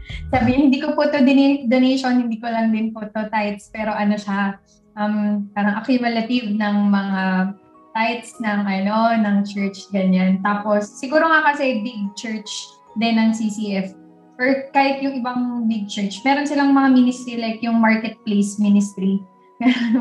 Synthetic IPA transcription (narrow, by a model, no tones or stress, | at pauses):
saːbɪɲɪhɪnd̪iːkopʊt̪od̪ɪnɛd̪onejʃonhɪnd̪iːkolɐŋd̪ɪnpot̪ot̪ajt̪̚spɛːɾo̞ʔɐnoʃa | ʔɐmpaːɾɐŋʔɐkjʊmɐlɐt̪ɪvnɐŋmɐŋa | t̪ajt̪̚snɐŋʔɐno̞nɐŋt͡ʃɛɹt͡ʃɡɐɲant̪aːpo̞sːɪɡuːɾoŋakɐsɛbɪɡ̚t͡ʃɛɹt͡ʃ | d̪ɛnːɐŋsisiʔɛf | ʔɛɹkaːhɪt̪̚jʊŋʔɪbaŋbɪɡ̚t͡ʃɛɹt͡ʃmɛːɾonsɪlaŋmɐŋaminɪst̪ɾilajkjʊŋmaɹkɛt̪̚plejsminɪst̪ɾi | ɡɐjan